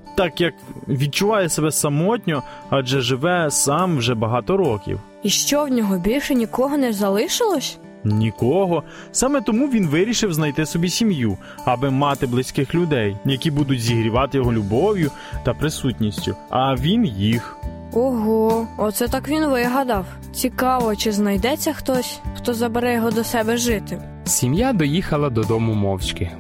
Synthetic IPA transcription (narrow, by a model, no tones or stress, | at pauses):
t̪ɑkjɐkʋʲid̪̚t͡ʃʊʋɑjɛsebɛsɐmɔtʲnʲɔɐd͡ʒɛʒɪʋɛsɑmwʒɛbɐɦɑt̪ɔɾɔkʲḭw | iʃt͡ʃɔwnʲɔɦɔbʲilʲʃɛnʲikɔɦɔnɛzɐlˠɪʃɪlˠɔsʲ | nʲikɔɦɔ | sɑmɛt̪ɔmuʋʲinʋɪɾʲiʃɪwznɐjt̪ɪsɔbʲisʲimju | ɐbɪmɑt̪ɪblˠɪsʲkɪxlʲʊd̪ɛjjɐkʲibud̪ʊtʲzʲiɦɾʲiʋɑt̪ɪjɔɦɔlʲʊbɔwjʊ | t̪ɐpɾɪsutʲnʲisʲtʲʊɐʋʲinjix | ɔɦɔɔt̪sɛt̪ɑkʋʲinʋɪɦɐd̪ɐw | t͡sʲikɑʋɔt͡ʃɪznɐjd̪ɛt͡sʲːɐxt̪ɔsʲxt̪ɔzɐbeɾɛjɔɦɔd̪ɔsɛbɛʒɪt̪ɪ | sʲimjad̪ɔjixɐlˠɐd̪ɔd̪ɔmʊmɔwt͡ʃkɪ